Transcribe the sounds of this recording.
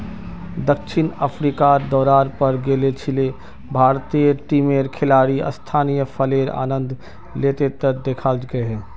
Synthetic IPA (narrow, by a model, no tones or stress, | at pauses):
d̪əkʃʰɪnəpʰɾikad̪ɔːɾaːɾpəɾɡeːlet͡ʃʰɪle | bʱaːɾt̪iːjəʈiːmeːɾkʰɪlaːɾiə̰st̪ʰaːnijəpʰəleːɾa̰ːnə̃nd̪ʱ | leːt̪et̪əd̪eːkʰad͡ʒɡəeɦɛː